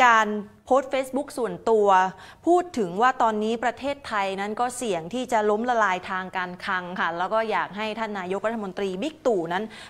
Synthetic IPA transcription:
kaː˧npʰoː˦˥t̪̚feː˦˥sbu˦˥k̚su˨˩ənt̪u˧ɐ | pʰuː˥˩t̪ʰːɯ˩˦ŋwaː˥˩t̪ɔː˧nːiː˦˥pɾa˧t̪ʰeː˥˩t̪ʰːa˧jna˦˥nkɔː˥˩si˨˩əŋt̪ʰiː˥˩t͡ɕa˨˩lo˦˥mla˧laː˧jt̪ʰaː˧ŋkaː˧nkʰa˧ŋkʰa˥˩lɛː˦˥wkɔː˥˩jaː˨˩k̚ɦa˥˩jt̪ʰa˥˩nːaː˧jo˦˥k̚ɾa˦˥t̪ʰːa˧mo˧nt̪ɾiː˧bi˦˥k̚t̪uː˨˩na˦˥n

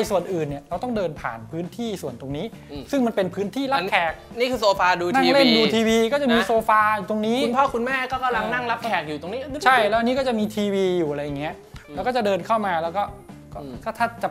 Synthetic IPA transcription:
a˧jsu˨˩ənʔɯː˨˩nːi˨˩ɾa˧wt̪ɔ˥˩ŋdɤː˧npʰa̰ː˨˩npʰɯː˦˥nt̪ʰiː˥˩su˨˩ənt̪o˧ŋniː˦˥ | sɯ˥˩ŋma˧npe˧npʰɯː˦˥nt̪ʰiː˥˩la˦˥kʰɛː˨˩k̚niː˥˩kʰɯː˧soː˧faː˧duː˧na˥˩ŋle˥˧˥nduː˧t̪ʰiː˧wiː˧kɔː˥˩t͡ɕa˨˩ʔmiː˧soː˧faː˧˨˩t̪o˧ŋniː˦˥u˧npʰɔː˥˩kʰu˧nmɛː˥˩kɔː˥˩ka˨mla˧ŋna˥˩ŋla˦˥p̚kʰɛː˨˩k̚juː˨˩t̪o˧ŋniː˦˥t͡ɕʰa˥˩jlɛ˦˥ʔa˧nːiː˦˥kɔː˥˩t͡ɕa˨˩miː˧t̪ʰiː˧wiː˧juː˨˩a˧ɾa˧ja˨˩ŋi˦˥ɐ | lɛ˦˥wkɔː˥˩t͡ɕa˨˩dɤː˧nkʰa˥˩wmaː˧lɛː˦˥wkɔː˥˩kɔː˥˩t̪ʰaː˥˩t̪ʰaː˥˩t͡ɕa˨˩

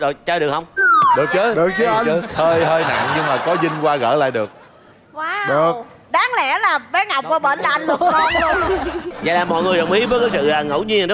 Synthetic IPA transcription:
zo˨jt͡ɕəː˧˩ɗɨ˨˩əkhə˧wŋ͡mɗɨ˨˩k̚t͡ɕəː˨˦ɗɨ˨˩ək̚ə˨˦˧həː˧jɦəː˧jna̰˧˨ŋɲɨ˧ŋmaː˨˩kɔ˨˦zï˧ŋ̟kwaː˧ɣə̰ː˧˥la̰ː˧˨jɗɨ˨˩ək̚ː | ɗɨ˨˩ə | ɗaː˨˦ŋlɛ̰˧˥laː˨˩vaː˨˦ŋa˨˩wk͡p̚ːɓə̰ː˧˩nla˨˩ʔnlu˧əɔ˧nlənza̰˧˨laː˨˩mɔ̰˧˨jŋɨ˨˩ɗə̰˨˩wŋ͡mʔi˨˦vəː˨˦jkaː˨˦jsɨ̰˧˨aː˨˩ŋə̰˧˩wɲi˧ənɗ

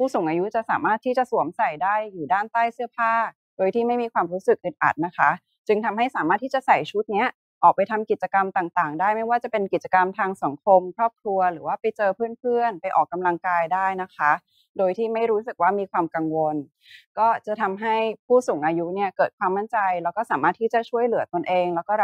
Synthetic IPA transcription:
pʰuː˥˩suː˨˩˦ŋʔaː˧ju˦˥t͡ɕa˨˩ʔsaː˩˦maː˥˩t̪ʰːiː˥˩t͡ɕa˨˩ʔsu˨˩˦əmsa˨˩jdaː˥˩jːuː˨˩daː˥˩nt̪aː˥˩jsɯ˥˩ɐəpʰaː˥˩ | doː˧jt̪ʰiː˥˩ma˥˩jmiː˧kʰwaː˧mɾuː˦˥sɯ˨˩k̚ʔɯ˨˩t̪̚ʔa̰˨˩t̪̚na˦˥kʰa˦˥ | t͡ɕɯ˧ŋt̪ʰa˧mɦa˥˩jsaː˩˦maː˥˩t̪ʰːiː˥˩t͡ɕa˨˩sa˨˩jt͡ɕʰu˦˥t̪̚ni˦˥ɐ | ʔɔː˨˩k̚pa˧jt̪ʰa˧mki˨˩t̪̚t͡ɕa˧ka˧mt̪aː˨˩ŋt̪aː˨˩ŋdaː˥˩jma˥˩jwaː˥˩t͡ɕa˨˩pe˧nki˨˩t̪̚t͡ɕḁ˧ka˧mt̪ʰaː˧ŋsa˩˦ŋkʰo˧mkʰɾɔː˥˩p̚kʰɾu˧ɐɾɯː˩˦waː˥˩pa˧jt͡ɕɤː˧pʰɯː˥˩ənpʰɯ˥˩ənpa˧jʔɔː˨˩kːa˧mla˧ŋkaː˧jdaː˥˩jna˦˥kʰa˦˥ | doː˧jt̪ʰiː˥˩ma˥˩jɾuː˦˥sɯ˨˩k̚waː˥˩miː˧kʰwaː˧mka˧ŋwo˧n | kɔː˥˩t͡ɕa˨˩t̪ʰa˧mɦa˥˩jpʰuː˥˩suː˨˩˦ŋʔaː˧ju˦˥ni˥˩ɐkɤː˨˩t̪̚kwaː˧mːa˥˩nt͡ɕa˧jlɛː˦˥wkɔː˥˩saː˩˦maː˥˩t̪ʰːiː˥˩t͡ɕa˨˩t͡ɕʰu˥˩əjlɯ˨˩˦ɐ˦t̪o˧nʔeː˧ŋlɛː˦˥wkɔː˥˩

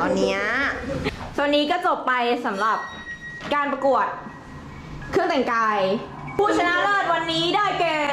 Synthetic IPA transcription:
ɔː˨˩nːi˦˥ɐ | sa˨˩nːiː˦˥kɔː˥˩t͡ɕo˨˩pːa˧jsa˩˦mɾa˨˩p̚ | kaː˧npɾa˧ku˨˩ət̪̚ | kʰɯ˥˩əŋt̪ɛ˨˩ŋkaː˧j | pʰuː˥˩t͡ɕʰa˧na˦˥ʔlɤː˥˩t̪̚wa˧nːiː˦˥daː˥˩jkɛː˧˩

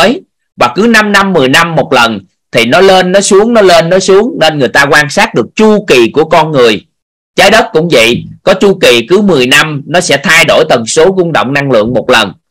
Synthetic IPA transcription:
j | vaː˨˩kɨ˨˦na˧mna˧mːɨ˨˩əjna˧mːo˨˩t̚lə˨˩n | t̪ʰi˨˩nɔ˨˦le˧nːɔ˨˦su˨˦əŋnɔ˨˦le˧nːɔ˨˦su˨˦əŋne˧nŋɨ˨˩əjt̪aː˧kwaː˧nsaː˦˥t̚ɗɨ˨˩ək̚t͡ɕu˧ki˨˩ku˧˩əkɔ˧nŋɨ˨˩əj | t͡ɕaː˨˦jɗə˦˥t̚kʊ̰˧˥ŋ͡mvḭ˧˨jkɔ˨˦t͡ɕu˧ki˨˩kɨ˨˦mɨ˨˩əjna˧mnɔ˨˦sɛ̰˧˥t̪ʰa˧jɗo˧˩jt̪ə˨˩nso˨˦ɣʊ˧ŋɗo̰˧˨wŋ͡mna˧ŋlɨ̰˧˨əŋmo˨˩t̚lə˨˩n

